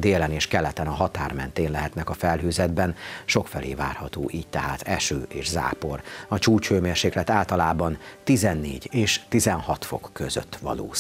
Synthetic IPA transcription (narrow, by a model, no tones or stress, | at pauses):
d̪eːlɛneːʃkɛlɛt̪ɛnɒɦɒt̪aːrmɛnt̪eːnlɛɦɛt̪nɛkɒfɛlɦøːzɛd̪bɛnʃo̞kfɛlḛːva̰ːrhɒt̪o̰ːʔiːc̚t̪ɛɦaːt̪ɛʃøːʔeːʒza̰ːpo̞rɒt͡ʃuːt͡ʃføːmeːrʃeːklɛt̪aːlt̪ɒlaːbɒnt̪izɛnːḛːɟeːʃt̪izɛnɦɒt̪fo̞̰kːøzø̰t̪ːʋɒ̰lo̰ː